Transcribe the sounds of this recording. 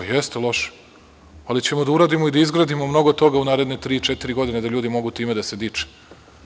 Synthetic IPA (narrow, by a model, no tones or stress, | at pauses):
jest̪elˠo̞ʃ | alit͡ɕe̞mod̪auɾaːd̪imo̞id̪aizɡɾad̪imo̞mno̞ɡot̪o̞ɡaunaːɾe̞d̪net̪ɾiːt͡ʃet̪iɾiɡo̞d̪ined̪aʎuːd̪imo̞ɡut̪iːme̞d̪ase̞d̪it͡ʂe̥